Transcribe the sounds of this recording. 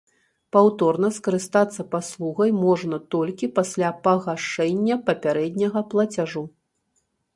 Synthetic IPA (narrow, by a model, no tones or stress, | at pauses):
pawt̪ɔrnɐskɐɾɨst̪at̪sːɐpaslˠuɣɐjmɔʐnɐt̪ɔlʲkʲipasʲlʲapɐɣaʂɛnʲːɐpɐpʲaɾɛd̪ʲnʲɐɣɐplˠɐt͡sʲaʐu